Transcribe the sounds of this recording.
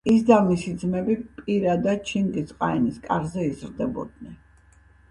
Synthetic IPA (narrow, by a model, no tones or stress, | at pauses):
isd̪amisid̪zmɛbipʼiɾad̪ad̪̚t͡ʃʰiŋɡ̪isʼqʼaɛniskʼaɾzɛizɾd̪ɛbɔ̰d̪̚nɛn